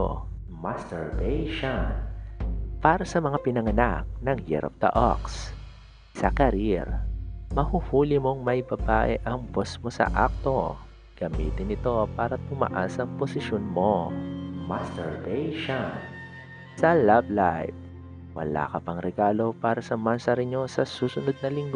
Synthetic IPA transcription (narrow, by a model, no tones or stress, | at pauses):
o̰ | masɛɹbɛjʃon | paːɾɐsɐmɐŋapɪnɐŋɐnak̚nɐŋhɛ̰ɾɐ̰p̚d̪̥ɐ̰ʔo̰ks | sɐkɐɾiɾmɐhuhuːlɪmo̞ŋmɐjbɐbaːʔɛʔɐŋbosmo̞sɐ̰ʔa̰k̚t̪o̞ | ɡ̥ɐmḭːt̪ɪnɪt̪o̞paːɾɐt̪ʊmɐ̰ʔasɐŋposɪʃonmo̞mɐst̪ɛ̰ɹvɛjʃon | sɐlablajf̚ | wɐ̰la̰ːkɐpɐŋɾɛɡaːlo̞paːɾɐsɐmansɐɾɪɲosɐsuːsʊnod̪̚nɐlɪŋɡ